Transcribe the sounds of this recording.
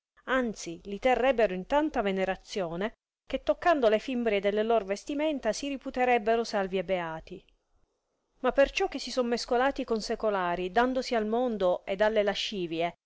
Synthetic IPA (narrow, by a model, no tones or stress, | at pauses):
ant̪silit̪erːɛbːeɾoint̪ant̪aveneɾat̪sːjoːne | k̟et̪ːokːand̪olefimbɾjed̪elːelorvest̪imɛnt̪asiɾiput̪eɾɛbːeɾosalviebːeaːt̪i | mapːert͡ʃɔkːesːisomːeskolaːt̪ikonsekolaːɾid̪and̪osialmond̪oed̪alːelaʃiːvje